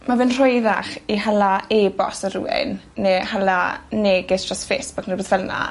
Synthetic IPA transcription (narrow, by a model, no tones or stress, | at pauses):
mavɪnr̥ɔjða̰χiɦalaeːbɔ̰sərṵwɪ̰nː | eːhalaneːɡɪsd̥rasfeːsb̥ʊknɔboːðvɛna̰